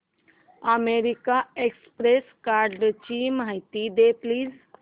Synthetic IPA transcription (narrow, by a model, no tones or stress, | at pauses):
əmeɾikaekspɾeskaɾɖt͡ʃimɦajt̪id̪epliːz